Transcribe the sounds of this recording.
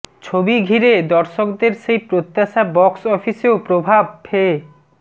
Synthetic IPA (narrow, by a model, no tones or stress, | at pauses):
t͡ɕʰobiɡʱiɾed̪ɔɾʃokd̪eɾʃejpɾot̪ːaʃabɔksɔfiseopɾobʱab̚pʰe